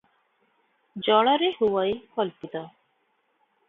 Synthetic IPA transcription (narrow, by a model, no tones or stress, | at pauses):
d͡ʒɔɭ̃ɔɾehuwajkɔlpit̪ɔ